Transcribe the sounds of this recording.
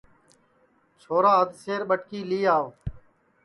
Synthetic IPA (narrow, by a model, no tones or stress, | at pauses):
t͡ʃʰoːɾaːəd̪ʱseːɾɓəʈkiːliːaːʋ